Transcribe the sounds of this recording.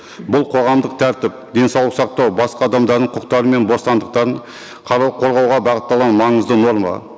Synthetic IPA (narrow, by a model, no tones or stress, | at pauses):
bʊlˠqʰo̞ʁɑmd̪əq̚t̪ʰæɾt̪ɪp̚d̪e̞nsɑwlˠəqsɑq̚t̪ɑwbɑsqɑːd̪ɑmd̪ɑɾd̪əɴqʰʊqt̪ɑɾəme̞nbo̞st̪ɑnd̪əq̚t̪ɑɾəɴ | qʰɑqʰo̞ɾʁɑwʁɑbɑʁət̪ːɑlˠʁɑnmɑɴəzd̪əno̞ɾmɑ̰